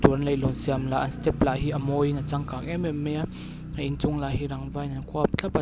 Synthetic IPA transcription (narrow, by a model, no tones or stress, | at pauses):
t̪unlejlɔnsiamlaʔanst̪ɛp̚laʔɦiʔɐmɔjnat͡saŋkaːk̚ɛmɛmɛa | aint͡sʊŋlaɦiɾaŋvajnankʰuap̚t͡ɬʰapa